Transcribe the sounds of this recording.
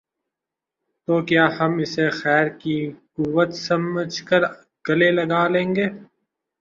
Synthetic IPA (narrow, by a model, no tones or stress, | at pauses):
t̪oːkjaːhɐmɪsexɛːɾkikuwət̪sɐməd͡ʒkəɾ | ɡ̥ɐlelɐɡaːlẽːŋɡeː